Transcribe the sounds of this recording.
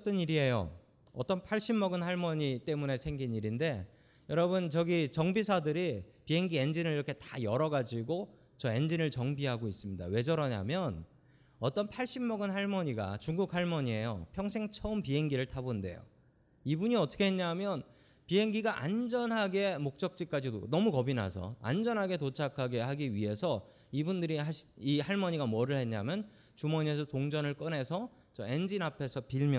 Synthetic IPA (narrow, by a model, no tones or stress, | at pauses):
t͈ʌniɾie̞jo̰ | ʌt͈ʌnpʰaɭɕ͈imːʌɡɯnhaɭmʌɲit͈e̞mune̞sʰe̞ŋɡiniɾinde̞ | jʌɾʌbɯnt͡ɕʌɡit͡ɕʌŋbisʰadɯɾipiɦe̞ŋɡiend͡ʑinɯɭiɾʌkʰe̞tḁjʌɾʌɡad͡ʑiɡo | t͡ɕʌe̞nd͡ʑinɯɭt͡ɕʌŋbiɦaɡois͈ɯmɲida̰we̞d͡ʑʌɾʌɲa̰mjʌn | ʌt͈ʌnpʰaɭɕ͈imːʌɡɯnhaɭmʌɲiɡa̰t͡ɕuŋɡuk̚haɭmʌɲie̞jo̰pʰjʌŋsʰe̞ŋt͡ɕʰʌɯmpiɦe̞ŋɡiɾɯɭtʰabonde̞̰jo̰ | ibuɲiʌt͈ʰʌ̥kʰeɦeɲamjʌn | piɦe̞ŋɡiɡaʔa̰nd͡ʑʌnɦaɡe̞mok̚t͡ɕ͈ʌk̚t͡ɕ͈ik͈ad͡ʑido̰nʌmukʌbina̰sʰʌ̰a̰nd͡ʑʌnɦaɡe̞tot͡ɕʰakʰaɡe̞ɦaɡiɥiɦe̞sʰʌ | ibundɯɾiɦaɕʰihaɭmʌɲiɡamʌɾɯɭhe̞ɲɲamjʌn | t͡ɕumʌɲiesʰʌtoŋd͡ʑʌnɯɭk͈ɯnɦe̞sʰʌ | t͡ɕʌme̞nd͡ʑinapʰe̞sʰʌpiɭmj